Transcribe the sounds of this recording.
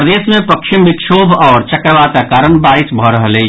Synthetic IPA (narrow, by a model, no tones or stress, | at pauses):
ɾəd̪eːsmẽpɐkʃɪmbɪkʃoːbʱɔːɾt͡ʃɐkɾʋaːt̪akaːɾənbaːɾɪsbʱəɾəɦəle